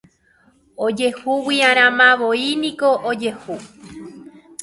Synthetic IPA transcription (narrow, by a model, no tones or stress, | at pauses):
od͡ʒe̞huwiaɾ̃ãmãʋoinĩkoʔod͡ʒe̞hu